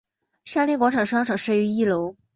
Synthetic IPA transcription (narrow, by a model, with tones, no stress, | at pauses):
ɕja˥ljŋkwɑ˧˥ŋʈ͡ʂʰɑ˨˩ŋʂɻ̩˧˥ɑ˥ʈ͡ʂʰɑ˨˩ŋʂɻ̩˥˩y˧˥i˥˩lo˧˥ʊ